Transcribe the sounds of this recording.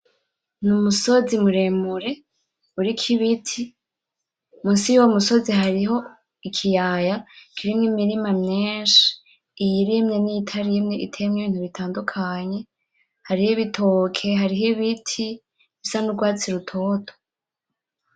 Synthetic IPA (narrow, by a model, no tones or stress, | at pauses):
numuso̞zimuɾe̞muɾe̞ | uɾikʰiβitʰi | musijuwomuso̞ziɦaɾiɦo̞ | ikʰijaːjaikʰiɾimŋimiɾimamɲeːnʃi̥ː | jiɾimɲenijitʰaɾimɲeʔḭtʰemŋeβiːn̥huβitʰaːndukʰaɲe̞ | haɾihiβitʰokʰe̞ɦaɾiɦiβitʰi | βisanuɾɡwaːt͡siɾutʰo̞ːtʰo̥